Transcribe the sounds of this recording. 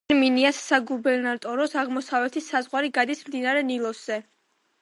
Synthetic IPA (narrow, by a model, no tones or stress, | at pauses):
ɾminiasːaɡubɛɾnaɾt̪ʼɔɾɔsaʁmɔsavɛt̪ʰisazʁwaɾiɡad̪ismd̪inaɾɛnilˠɔsz̥ɛ